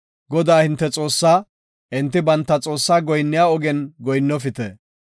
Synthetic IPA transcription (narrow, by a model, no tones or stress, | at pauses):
ɡɔd̪aːhɪnt̪ːɛt͡sʼo̞ːsːaː | ʔɪnt̪ːɪbɐnt̪ːɐt͡sʼo̞ːsːaːɡɔjnːɪjaːɔɡɛnɡɔjnːɔfɪt̪ɛ